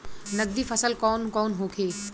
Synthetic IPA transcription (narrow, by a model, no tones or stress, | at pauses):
nɐɡ̚d̪ifɐsəlkɔːnkɔːnɦoːkʰeː